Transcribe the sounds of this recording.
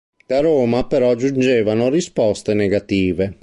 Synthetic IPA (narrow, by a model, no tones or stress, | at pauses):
d̪̥aɾoːmapɛɾɔd͡ʒund͡ʒɛːvanorispɔst̪eneɡat̪iːve